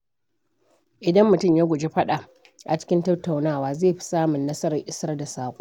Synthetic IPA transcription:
ʔɪ˨dɐ˦mːʊ˨tʊ˦˨mjaː˦ɡʷʊ˨d͡ʒe˦ɸɐ˦ɗa˨ | ʔa˨t͡ʃɪ̥˦kʲɪ˦ntɐ˦tːa˨wnaː˦˨waː˦zeː˦˨ɸi̥˦saː˦mʊ˨nːɐ˦sɐ˦ɾɐ˨ŋʔɪ˦sɐ˦rda˨saː˨kʷʼo˦

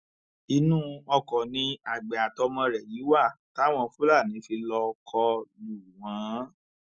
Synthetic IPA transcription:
i˧nũ˦ɔ˧kɔ˨nĩ˧a˨ɡ͡be˨a˨tɔ˧mɔ̃˧ɾɛ˨ji˨˦wa˦˨ta˦˨w̃ɔ̃˧fu˦la˦˨nĩ˨˦fi˧lɔ˧kʰɔ˧lu˨w̃ã˨˦

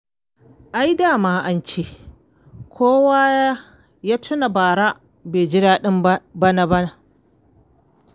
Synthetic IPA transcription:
ʔa˦jdaː˦˨maː˦ʔa˦nt͡ʃe˦ʔ | kʷʰoː˦waː˦ | ja˦tʰʊ˦na˨baː˨ɽa˦ | beː˨d͡ʒɪ˦daː˦ɗɪ˦mbɐ˦na˨bɐ˦na˨

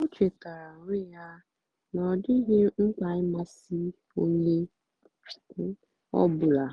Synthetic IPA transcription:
o˦t͡ʃe˨ta˨ɾa˨ɾɪ˦ja˦ | nɔ˨dɪ˦ɦe˦ŋ͡m̩˦k͡pa˨ɪ˦ma˦si˦ | o˦ɲe˦˨˦ | ɔ̰˦bʊ˨la˨

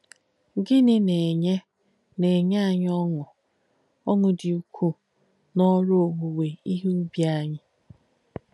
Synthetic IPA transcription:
ɡɪ˦nɪ˦ne˨ɲe˦ | ne˨ɲ˦a˦˨ɲ˦ɔ˦ŋʊ˨ | ɔ˦ŋʊ˦dɪ˨u˨kʷʰu˦ | nɔ˦ɾʊ˦o˨ŋu˨we˨i˦ɦe˦u˦bja˦ɲɪ˦

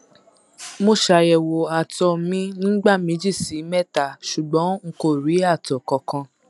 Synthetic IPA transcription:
mo˦˨ʃa˧jɛ˨wo˨a˨tɔ˧mĩ˦nĩː˦ɡ͡ba˦˨mĩ˨˦d͡ʒi˦˨si˨˦mɛ˦˨ta˨ʃu˨ɡ͡bɔ̃˨˦ŋ̩˦ko˦˨ɾi˨˦a˦˨tɔ˨kɔ˨kã˧

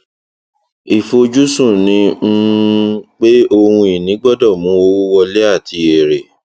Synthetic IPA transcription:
i˨fo˧d͡ʒu˦sũ˦˨nĩ˧˦ | k͡pe˦o˧hũ˧i˨nĩ˨˦ɡ͡bɔ˦dɔ˦˨mũ˨˦o˦wo˦wɔ˧le˦a˦˨tʰi˧e˨ɾe˨

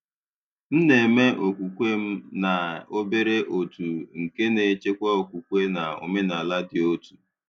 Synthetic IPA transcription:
n̩˦ne˨me˦ʔo˨kʷu˨kʷe˦m̩˦na˨o˦be˦ɾe˦ʔo˨tu˨ŋ̩˨ke˦ne˨˦t͡ʃe˦kʷa˦o˨kʷu˨kʷe˦na˨o̰˨me˦na˨la˦dɪ˨o˦tu˨

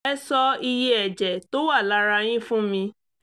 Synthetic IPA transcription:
ɛ˦sɔ˧i˧je˦ɛ˨d͡ʒɛ˨to˦wa˦˨la˦ɾa˧j̃ĩ˦fũ˦mĩ˧

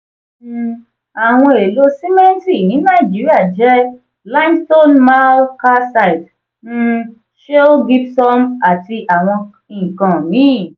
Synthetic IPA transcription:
a˨w̃ɔ̃˧e˨lo˧˦si˦mɛ̃˦n˦ti˦˨nĩ˨˦nã˦˨i˨d͡ʒi˨˦ɾi˦a˦˨d͡ʒɛ˦ | la˦msto˦nma˦lka˦sa˦i˨t | n̩˦˧ | ʃe˦o˦ɡi˦psɔ˦ma˨ti˧ʔa˨w̃ɔ̃˧ | ĩ˨kã˨mĩ˨˦˨

